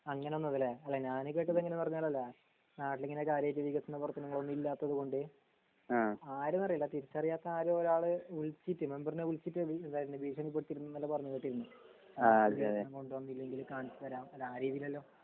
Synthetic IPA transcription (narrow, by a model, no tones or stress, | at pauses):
ɐŋːɐneo̞nːɐðileɐlːɐɲaːnɨk̬e̞ːʈːɐðeŋːɐnemɐrɐɲːaːlɐlːɐ | naːʈileŋːɐne̞kaːɾjɐeːt̬ːiʋiɣɐt̪ːɐnːɐpɐrt̪ːɐnɐŋːɐɭonːilːaːt̪ːɐðuko̞ɳɖɨ | aːaːɾɐnɐrijɐlːɐt̪iɾit͡ɕːɐrijaːt̪ːɐaːɾuoɾaːɭɨuɭt͡ɕːitːɨme̞mbɐrineuɭt͡ɕitːɨiend̪aːjiɾundɨbiːʂɐnip̬ːeɽʈ̪ːiɾunːɐnːɐlːɐpɐrɐɲːukeːʈːiɾunːu | aieɐmko̞ɳɖɨʋɐnːiilːɐeŋɡilkaːɳit͡ɕːɨt̪ɐɾaːmɐlːaːɾiːðijilɐlːo̞ː